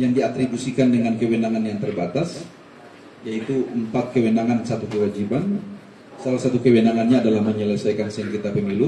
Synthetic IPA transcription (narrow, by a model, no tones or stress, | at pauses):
jaŋdiat̪ɾibusikandəŋankəwənaŋanjaŋt̪ərbat̪as | jait̪uəmpat̪̚kəwenaŋansat̪ukəwad͡ʒiban | salahsat̪ukəwənaŋanɲaːdalahməɲələsajkansəŋkit̪apəmelu